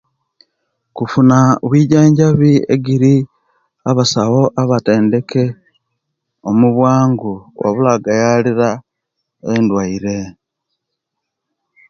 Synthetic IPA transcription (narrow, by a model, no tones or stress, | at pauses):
kufunaβwiːɟaːɲɟaβiḛɡiɾi | aβasawo̞ʔaβate̞ːnde̞ke̞ | omuβwaːŋɡuwa̰βulaɡajaliɾa | e̞ndwaiɾe̞